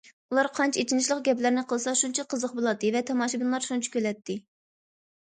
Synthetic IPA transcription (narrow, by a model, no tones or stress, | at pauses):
ulˠɑɾqʰɑnt͡ʃʰɛet͡ʃʰinɪʃlˠəqɡʲɛplæɾnɪqʰəlˠɨsɑʃunt͡ʃʰɑqʰəzəqbolˠɑd̪ːɨvɛt̪ʰɑmɑːʃibinlˠɑɾʃunt͡ʃʰi̥kʲølɛt̪ːɪ